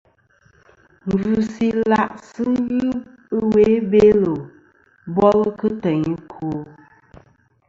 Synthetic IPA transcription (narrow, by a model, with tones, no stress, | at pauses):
ŋ˨ɡu˨si˦la˦ʔsɨ˦ji˦ | ə˦we˦be˦lo˨ | bɔ˦lə˦kɨ˦tə˨ɲi˦kʰu˨